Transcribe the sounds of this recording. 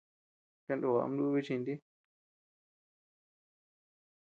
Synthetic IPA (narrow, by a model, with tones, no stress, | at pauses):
ka˧nd̪o˧˨a̰˨˧a̰˧m˦du˦˧βi˦˧t͡ʃĩ˧nd̪i˦